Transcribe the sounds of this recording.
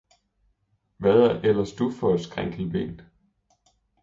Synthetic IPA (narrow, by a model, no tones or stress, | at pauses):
ʋæðˠæɐʔelɐsd̥ufɒæd̥sɡ̥ʁaŋ̰ɡ̥l̩ʋe̝̰ːnd